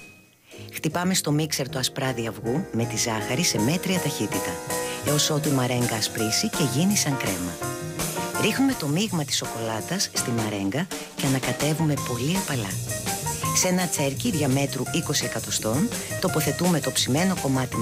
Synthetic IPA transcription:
xt̪ipɐme̞st̪o̞mikse̞ɾt̪oɐspɾɐðiɐvɣume̞t̪izɐxɐɾise̞me̞t̪ɾiɐt̪ɐçit̪it̪ɐeo̞sot̪imɐɾe̞ŋɡɐːspɾisice̞ʝinisɐŋkɾe̞̰mɐ | ɾixnume̞t̪o̞miɣmɐt̪i̥so̞ko̞lɐt̪ɐsːt̪imɐɾe̞ŋɡɐ | ceɐnɐkɐt̪e̞vume̞po̞liɐpɐlɐ | senɐt͡se̞ɾciðʝɐme̞t̪ɾuiko̞sie̞kɐt̪o̞st̪o̞nt̪o̞po̞θe̞t̪ume̞t̪o̞psime̞no̞ko̞mɐt̪i

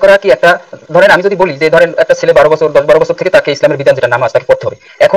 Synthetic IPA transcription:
kɔɾakiɛk̚ʈad̪ʱɔɾenamid͡ʑod̪ibolid͡ʑeed̪ʱɔɾenɛk̚ʈat͡ɕʰelebaɾobɔt͡ɕʰoɾd̪ɔʃbaɾobɔt͡ɕʰoɾt̪ʰeket̪akeislameɾbid̪and͡ʑeʈanamat̪ake̥poɾt̪eɦɔbe | ɛkʰo

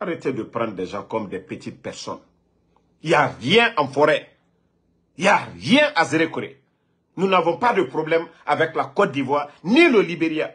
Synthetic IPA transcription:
aɾet̪edəpɾãd̪dɛʒãkɔmdɛpət̪it̪̚pɛɾsɔ̰n | ijarjɛ̃ʔãfɔɾɛ | ijarjɛ̃ʔazeɾekoɾḛ | nũnavɔ̃padəpɾoblɛmavɛklakɔdivwanĩləlibeɾja

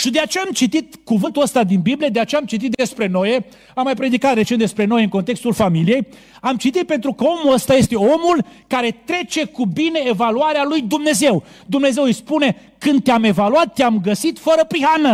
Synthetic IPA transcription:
ʃid̪e̞at͡ʃeamt͡ʃit̪it̪kuvɨnt̪uəst̪ad̪inbiblijed̪eat͡ʃeamt͡ʃit̪it̪̚d̪e̞spɾe̞no̞je | amːajpɾe̞d̪ikat̪re̞t͡ʃent̪d̪e̞spɾe̞no̞jeɨŋko̞nt̪e̞kst̪ulfamilije̞j | amt͡ʃit̪it̪̚pe̞nt̪ɾukəo̞muəst̪aje̞st̪e̞o̞mulkaɾe̞t̪ɾe̞t͡ʃe̞kubine̞ːvaluaɾealujd̪umne̞ze̞w | d̪umne̞zewɨjspune̞ | kɨnd̪̚t̪eame̞valuat̪ːeamɡəsit̪fəɾəpɾiɦanə

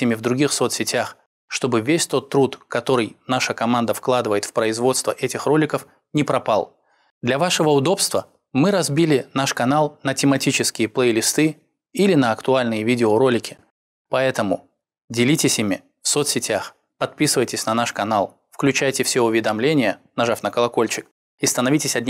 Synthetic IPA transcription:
ɪmʲɪvd̪ɾʊɡʲixsot̪sʲɪtʲax | ʂt̪o̞bɨvʲesʲt̪o̞t̪ːɾut̪kɐt̪o̞ɾɨjnaʂəkɐmand̪əfklˠad̪ɨvəjɪt̪fpɾəɪzvo̞t̪st̪vəʔɛtʲɪxro̞lʲɪkəf | nʲɪpɾɐpalˠ | d̪lʲɐvaʂɨvəʊd̪o̞pst̪və | mɨɾɐzbʲilʲɪnaʂkɐnalˠnətʲɪmɐtʲit͡ɕɪskʲɪjəplˠejlʲɪst̪ɨ | ilʲɪnəɐkt̪ʊalʲnɨjəvʲidʲɪoɾo̞lʲɪkʲɪ̥ | pɐɛt̪əmʊ | dʲɪlʲitʲɪsʲimʲɪ | fsot̪sʲɪtʲax | pɐt̪̚pʲisɨvəjtʲɪsʲnɐnaʂkɐnalˠ | fklʲʉt͡ɕæjtʲɪfsʲeʊvʲɪd̪ɐmlʲenʲɪjənɐʐafnəkəlˠɐko̞lʲt͡ɕɪk̚ | ist̪ənɐvʲitʲɪsʲɐdʲnʲ

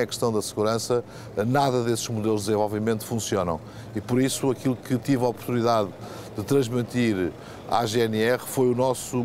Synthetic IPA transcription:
ɛkɨ̥ʃt̪ɐ̃w̃d̪ɐsɨɣuɾɐ̃sɐ | naðɐðesʒmuðelˠuʒd̪zẽvɔlˠvimẽnt̪u̥fũsionɐ̰̃w̃ | ipɔɾisuɐkilˠukɨt̪ivaɔpuɾt̪uniðað | d̪ɨt̪ɾɐ̃ʒmit̪iɾ | a̰ʒeɛnɛʁfojunɔsu

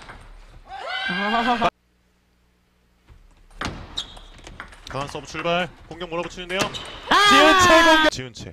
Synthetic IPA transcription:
kaŋans͈ʌbut͡ɕʰuɭbaɭkoŋɡjʌŋmoɾabot͡ɕʰinɯndejot͡ɕiunt͡ɕʰeɡoŋɡt͡ɕiunt͡ɕʰḛ

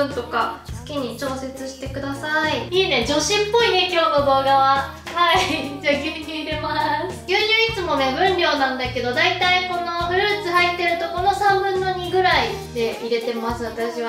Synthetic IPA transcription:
ɯ̃nt̪o̞kasɨ̥kʲiɲ̟it͡ɕo̞ːse̞t͡sɨɕi̥t̪e̞kɯ̟d̪asaiiːnẽ̞d͡ʑo̞ɕĩmpːo̞ine̞kʲo̞ːno̞d̪o̞ːɡaβa | haid͡ʑakʲimʲikit̪emoɾa | jɯːɲʲɨːit͡sɨmo̞ne̞bɯ̟̃nɾʲo̞ːnãnd̪ake̞d̪o̞d̪ait̪aiko̞no̞bɯ̟ɾɯ̟ːt͡sɨhait̪ːe̞ɾɯ̟t̪o̞ko̞no̞sãmbɯ̟̃nːo̞ɲ̟iɡɯ̟ɾai | d̪e̞iɾe̞t̪e̞masɨβat̪aɕiβa

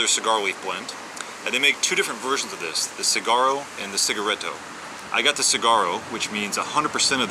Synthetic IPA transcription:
ðə˞sɨɡɑɹoʊlifb̥lɛ̃mt | ɨ̃nðeɪmeɪk̚tʰʉɾɪfɹɨ̃ntv̥ɜ˞ʒn̩zʌvðɪ̰sðɨsɨɡɑɹoʊɨ̃nðɨsɪɡə˞ɛɾo̰ʊ | ʔa̰ɪɡɑt̪̚ðɨsɨɡɑɹoʊwɨt͡ʃmĩnzəhʌ̃ndəd̚pʰə˞sɛ̃ɾ̃ʌv

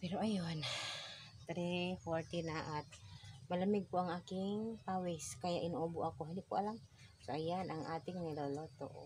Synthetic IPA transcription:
piɾoʔajɔn | t̪ɾifort̪inaʔat̪̚mələmiɡ̚puaŋakiŋpawɛskajaʔinobuʔakuɦanipuʔa̰laŋ | soajanaŋat̪iŋniləlot̪o̰ʔ

